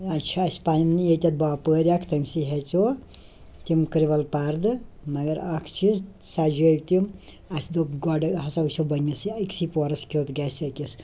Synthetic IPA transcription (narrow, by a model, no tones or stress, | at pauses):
ɐt͡ʃʰaspaninjet̪ʲɐt̪̚baːpəɾʲiakʰt̪ɐmsiɦet͡so | t̪imkɾiʋɐlpaɾd̪ɨmɐɡɐɾɐkʰt͡ʃʰizsad͡ʒob̚ʲt̪im | ɐsd̪oɡɔɖɦɐsɐwsʰʲobɐnisiiksipɔɾɐskʲot̪ɡɛsɐkis